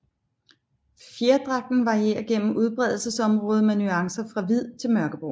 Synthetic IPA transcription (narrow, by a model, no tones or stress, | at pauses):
fjeɐd̥ʁɑ̈ɡ̥̚d̥n̩ʋɑ̈ʁie̝̰ːɐðˠɡ̥en̰m̩ʔuð̞ˠb̥ʁɛð̞̰ˠl̩səsɒ̽mʁɔ̽ːð̞ˠmenyɑ̈ŋsɐfʁɑ̈ʋið̞̰ˠt͡sʰe̝lmɶɐɡ̥əb̥ʁo̰